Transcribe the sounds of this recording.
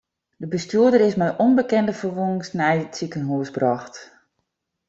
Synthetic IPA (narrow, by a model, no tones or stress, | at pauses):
d̥əbəstuədəɾɪsmɛjʔɔnbəkɛndəfərʋuŋŋsnɛjt͡sikənɦuəsbrɔxt